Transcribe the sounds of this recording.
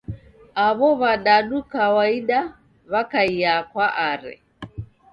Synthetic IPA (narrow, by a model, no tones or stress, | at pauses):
aβɔβaɗaɗukawaiɗa | βakaiakwaʔaɾɛ̰